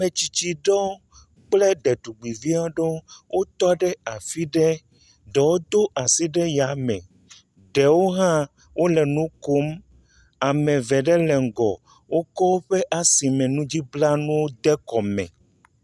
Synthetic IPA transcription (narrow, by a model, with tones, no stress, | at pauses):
mẽ˨t͡ɕi˨t͡ɕi˨ɖɔ˦ | k͡plɛ˦ɖɛ˨ɖ̪u˨ɡ͡bi˨vi˦a˦ɖo˦wʔo˦t̪ɔ˦ɖɛ˦a˨fi˦ɖɛ˦ | ɖɛ˨wo˦d̪o˦a˨si˦ɖɛ˦ja˨mɛ̰̃˨ | ɖɛ˨wo˦ɦã˦ | wʔo˦lɛ˨nũ˦ko˦m | a˨mɛ̃˨vɛ˨ɖɛ˦lɛ˨ŋ̩˨ɡɔ˨ | wo˦kɔ˦wo˦ɸe˦ʔa˨si˨mɛ̃˨nũ˦d͡ʑi˦bla˦nũ˦wo˦d̪ɛ˦kɔ˨mɛ̰̃˨